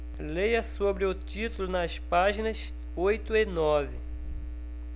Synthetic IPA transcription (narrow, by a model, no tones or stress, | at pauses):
lejɐsobɾɪʊt̪it̪ulʊnɐspaʒinɐs | ojt̪ʊɪnɔvɪ